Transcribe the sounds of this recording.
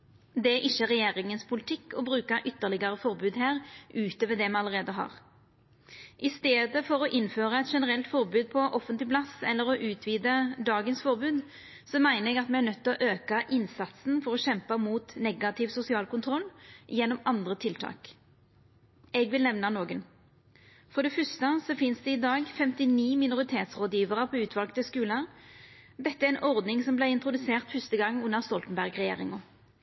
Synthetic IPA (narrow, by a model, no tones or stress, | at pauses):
d̪ɛæʔɪçːəʁɛjeːɾɪŋənspʰʊlɪt̪ʰɪkːɔbɾʉːkɑʔʏt̪ːəʁlɪɡɑɾəfɔʁbʉːd̪ɦæːʁʔʉːt̪ɔːʋɛd̪ɛmɛɑləʁeːd̪əɦɑ̰ːʁ | ʔɪst̪eːd̪əfɔɾɔʔɪnføːʁɑɛt̪ʃɛnəʁɛlt̪fɔʁbʉːd̪̚pʰɔʔɔfənt̪lɪplɑsɛ̰lːəɾɔʔʉːt̪ʰʋiːd̪əd̪ɑːɡənsfɔʁbʉːd̪ | sɔmæɪnəɾɛɡɑt̪mɛæʁnœt̪ːɪlɔʔøːkɑʔɪnsɑt̪sn̩fɔɾɔɕɛmpɑmuːt̪nɛɡɑt̪ʰɪʋsʊsɪɑːlkʊnt̪ʰʁɔlːjɛnːɔmɑnd̪ʁət̪ʰɪlt̪ʰɑ̰ːk | ɛɡʋɪlnɛʋnɑnoːɡən | fɔʁd̪ɛfœst̪əsɔfɪnsd̪ɛɪd̪ɑːɡfɛmt̪ɪniːmɪnʊʁɪt̪ʰeːt̪sʁoːd̪jiːʋəʁəpʰɔːʉːt̪ʰʋɑlkt̪əskʉːləʁ | d̪ɛt̪ːəæɾɛɪnʔɔʁd̪nɪŋsɔmblæɪɪnt̪ɾʊd̪ʉseːʁt̪fʉst̪əɡɑŋːʉnːəʁst̪ɔlt̪ənbæʁɡʁɛjḛːʁɪŋʊ